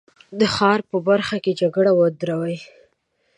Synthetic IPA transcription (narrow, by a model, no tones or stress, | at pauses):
d̪əxɑɾpəbaɾxaked͡ʒaɡɽawəd̪ɾawaj